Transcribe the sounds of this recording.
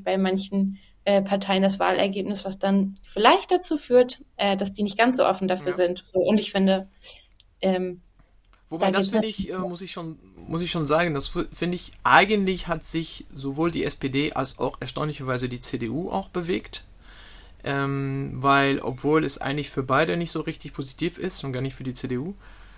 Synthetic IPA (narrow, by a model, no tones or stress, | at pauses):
b̥aɪmançn̩ | ʔɛːpʰaɐtʰaɪəndasv̥a̰ːlʔɛ̰ɐɡeːpnɪsv̥asd̥anfɪlaɪçt̚d̥at͡suːfyːɐtʔɛːdasd̥iːnɪçt̚ɡ̥ansz̥o̰ːʔɔfn̩dafyːɐzɪntz̥oːʔʊntɪçfɪndə | ʔɛːm | v̥obaɪaɡdasfɪndəɪçʔɛːmʊsɪçʃoːn | mʊsɪçʃoːnzaːɡən̩dasfɪndəɪçʔa̰ɪɡəntlɪçhatz̥ɪçzovoːldḭːʔɛspedeːʔa̰lsa̰ʊxɛɐʃtaʊnlɪçɐvaɪzədiːt͡sedeːʔuːʔa̰ʊxb̥əveːkt | ʔɛːmvaɪlʔɔ̰pv̥oːlɛsʔa̰ɪɡəŋ̩tlɪçfyːɐbaɪdənɪçtz̥oːʁɪçtɪçpʰozitʰiːfɪstʊntɡ̥aːɐnɪçtfyːɐdiːt͡seːdeːʔuː